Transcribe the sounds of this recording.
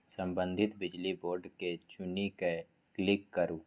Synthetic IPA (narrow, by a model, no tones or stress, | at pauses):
sə̃mbə̃nd̪ʱɪt̪bɪd͡ʒliboːɾɖket͡ʃʊnike | klɪkːəɾuː